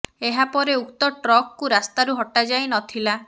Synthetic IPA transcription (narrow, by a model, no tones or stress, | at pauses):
eɦapɔɾeukt̪ɔʈɾɔkkːuɾast̪aɾuɦɔʈad͡ʒajnɔt̪ʰila